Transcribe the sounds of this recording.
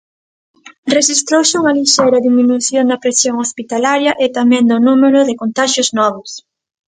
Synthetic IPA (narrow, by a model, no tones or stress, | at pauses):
reʃist̪ɾowsɪuŋɐliʃejɾɐðiminuθjond̪ɐpɾesjoŋospit̪alaɾjɐʔet̪amɛ̃nd̪ʊnumeɾʊðɪkont̪aʃjʊznɔβ̞ʊs